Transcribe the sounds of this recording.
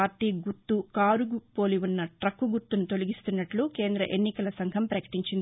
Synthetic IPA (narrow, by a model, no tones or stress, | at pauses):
aːɾt̪iːɡuɾt̪ːukaːɾuɡupo̞ːliʋunːɐʈɾɐkːuɡuɾt̪ːunut̪o̞liɡist̪unːɐʈluke̞ːnd̪ɾɐʔenːikɐlɐsɐŋɡʱɐmpɾɐkɐ̥ʈiɲt͡ʃind̪i